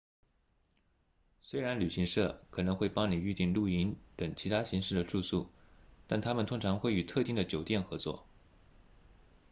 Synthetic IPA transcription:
swe˥ɪɻa˧˥nly˨˩ɕi˧˥ŋʂɤ˥˩kʰɤ˨˩nɤ˧˥ŋxwe˥˩ɪpɑ˥ŋni˨˩y˥˧t̪i˥˧ŋlu˥˩i˧˥nt̪ə˨˩ŋt͡ɕʰi˧˥t̪ʰa˥ɕi˧˥ŋʂɻ̩˥˩d̪ə˩ʈ͡ʂu˥˧su˥˩t̪a˥˩nt̪ʰa˥mə˨nt̪ʰʊ˥ŋʈ͡ʂʰɑ˧˥ŋxwe˥˩ɪy˨˩t̪ʰɤ˥˧t̪i˥˩ŋd̪ə˩t͡ɕjo˨˩ʊt̪jɛ˥˩nxɤ˧˥t͡swɔ̰˥˩

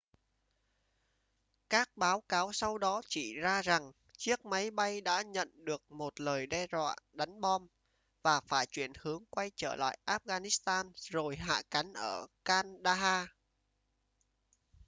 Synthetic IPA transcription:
kaː˦˥k̚ɓaː˨˦wkaː˨˦wsa˧wɗɔ˨˦t͡ɕi˧˩zaː˧za˨˩ŋ | t͡ɕi˦˥ək̚ma˨˦jɓa˧jɗa̰ː˧˥ɲə̰˧˨nɗɨ˨˩ək̚mo˨˩t̚ləː˨˩jɗɛ˧zwa̰ː˧˨ɗa˨˦jŋ̟ɓɔ˧n | vaː˨˩faː˧˩jt͡ɕwi˧˩ənhɨ˨˦əŋkwa˧jt͡ɕəː˧˩la̰ː˧˨jʔaː˦˥p̚ɣaː˧ni˦˥st̪aː˧nzo˨˩jɦa̰ː˧˨ka˨˦nʔəː˧˩kaː˧nɗaː˧ɦaː˧

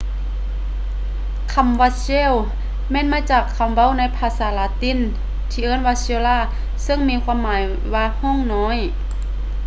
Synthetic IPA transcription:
kʰa˧˥˨mʋa˧seː˧˥˨w | mɛː˧˥˨nmaː˧˥˨t͡ɕaː˨˩kʰːa˧˩˨mʋa˧˥˨wna˧˥˨jpʰaː˧˥saː˨˦laː˧˥t̪i˧˥˨n | t̪ʰiː˧ʔɤː˧˥˨nwaː˧˥soː˧˨laː˧˥˩ | sɤ˧˨ŋmiː˧˥˨kʰwaː˧˥˨mːaː˨˦j | waː˧hɔ˧˥˨ŋnɔː˧˥˨j

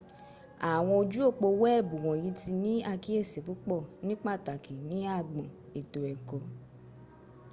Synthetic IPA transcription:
a˨w̃ɔ̃˧o˧d͡ʒu˦o˦˨k͡po˧wɛ˦ɛ˦˨bu˨wɔ̃˨jĩ˨˦ti˧nĩ˦a˧ki˦e˦˨se˨pu˨˦k͡pɔ˦˨nĩ˦k͡pa˦˨ta˨kʰi˨nĩ˨˦a˦˨ɡ͡bã˨ | e˨to˨ɛ˨kɔ˨

